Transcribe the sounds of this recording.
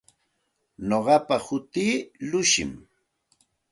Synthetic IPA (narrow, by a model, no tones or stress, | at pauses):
noɢɑpahʊt̪iːlʊʃɪ̰m